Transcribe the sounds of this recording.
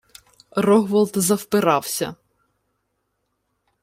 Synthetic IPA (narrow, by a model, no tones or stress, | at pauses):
rɔɦʋɔlˠt̪zɐwpɪɾɑwsʲɐ̰